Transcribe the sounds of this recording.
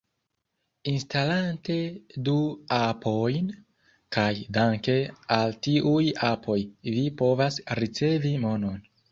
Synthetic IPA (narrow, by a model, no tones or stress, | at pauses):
instalante̞duapʰo̞jn | kajdaŋke̞altiʔujapʰo̞jvipo̞vasɾit͡se̞vimo̞no̞n